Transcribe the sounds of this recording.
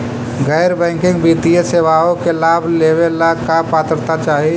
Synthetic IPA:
ɡɛːɾbɛ̃ːŋkɪ̃ŋɡbiːt̪ijəseʋaːõkelaːbʱleːʋelakapaːt̪əɾt̪at͡ʃaːɦi

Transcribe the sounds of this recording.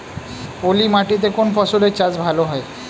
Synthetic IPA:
olimaʈit̪̬ekoɳfɔsulet͡ɕad͡zbʱaloɦaj

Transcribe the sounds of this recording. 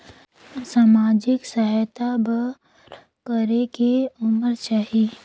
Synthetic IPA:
saːmaːd͡ʒɪksəɦt̪abə | kəɾekeʊməɾt͡ʃaːɦi

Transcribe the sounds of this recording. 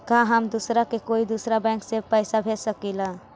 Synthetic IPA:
kãɦəmd̪usɾakekoid̪usɾabɛ̃ŋksepəjsabʱesəkila

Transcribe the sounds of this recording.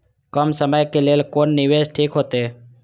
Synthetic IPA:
kəmsəməjkelelkonːiʋesʈʰiːkɦot̪eː

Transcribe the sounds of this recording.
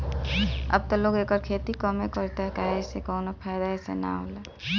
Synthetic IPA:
ə̰b̚t̪ɔloːɡeːkəɾkʰet̪ikɔmekəɾt̪eɦɛkaesekɔːnapʰajd̪aesḛna̰ɦo̰ːle

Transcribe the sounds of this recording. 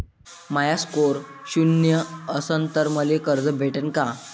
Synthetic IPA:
majaskoɾɕunjəəsənt̪əɾməlekəɾd͡zəbʱeʈənka

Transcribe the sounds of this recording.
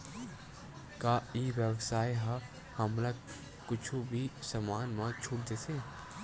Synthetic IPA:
kaːiʋjəwsaːjɦa | hɐmlaɡ | kʊt͡ʃʰubʱisɐmaːnmãt͡ʃʰuːɽd̪eːse

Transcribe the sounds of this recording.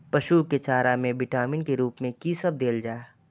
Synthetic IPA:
pɐʃuket͡ʃaːɾamẽbɪʈaːmɪnkeɾuːpmẽkisəb̚d̪eːld͡ʒaːe

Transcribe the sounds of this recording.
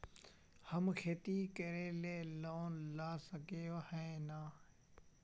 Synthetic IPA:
həmkʰeːt̪iːkəɾeːleːloːnlaːsəkeːohɛ̃ːnaː

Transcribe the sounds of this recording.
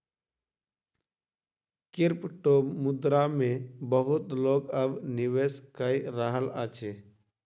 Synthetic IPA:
kɪɾpʈoːmːʊd̪ɾamẽbəɦʊt̪loːɡəbnɪʋeːskəiɾəɦəlat͡ʃeː

